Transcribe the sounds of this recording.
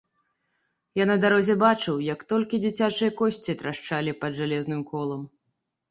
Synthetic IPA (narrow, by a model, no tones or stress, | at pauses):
janɐd̪aɾɔzʲɛbat͡ʂɨwjɐkt̪ɔlʲkʲid͡zʲit͡sʲat͡ʂɨjɐkɔsʲt͡sʲiɐt̪ɾaʂt͡ʂalʲipɐd̪ʐalʲɛznɨmkɔlˠɐm